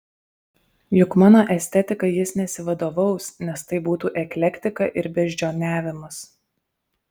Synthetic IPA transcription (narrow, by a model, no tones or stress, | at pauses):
jʊkmɑːnoːʔɛsʲt̪ʲɛt̪ʲɪkɐjɪsnʲɛsʲɪʋɐd̪oːʋɒʊsnʲɛst̪ɐɪbuːt̪uːʔɛkʲlʲɛkʲt̪ʲɪkɐʔɪɾbʲɛʒʲd͡ʒʲoːnʲæːʋʲɪmɐs